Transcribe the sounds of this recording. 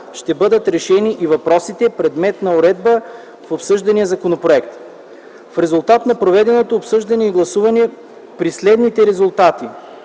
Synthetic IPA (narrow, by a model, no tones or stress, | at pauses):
ʃt̪ɛbɤd̪ət̪ɾɛʃɛniʔivɐpɾɔsit̪ɛpɾɛd̪mɛt̪nɐoɾɛd̪̚bə | fopsɤʒd̪ɐnijəzɐkonopɾoɛkt̪ | fɾɛzʊlˠt̪at̪nɐpɾovɛd̪ɛnot̪oːpsɤʒd̪ɐnɛiɡlˠɐsuvɐnɛ | pɾislɛd̪nit̪ɛɾɛzʊlˠt̪at̪i